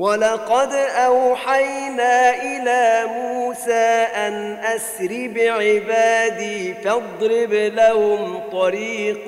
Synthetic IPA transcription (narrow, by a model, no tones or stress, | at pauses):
walɑqɑd̪ʔawħajnaːʔɪlaːmuːsaːʔanʔasɾɪbɪʕɪbaːd̪iːfɑd̪ˤɾɪblahʊmt̪ˤɑɾiːq